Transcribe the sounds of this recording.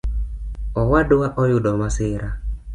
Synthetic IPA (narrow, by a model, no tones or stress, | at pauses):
ɔwadʊaʔɔjʊdɔmasɪɾa